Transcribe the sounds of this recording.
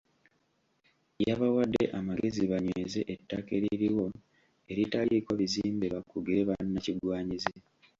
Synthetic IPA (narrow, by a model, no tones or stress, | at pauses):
jaβawadːe̞̰ʔamaɡe̞ziβaɲweze̞ʔetːakeɾiɾiwo̞ | e̞ɾitalikoβiziːmbe̞βakːuɡiɾe̞βanːaciɡwaːɲize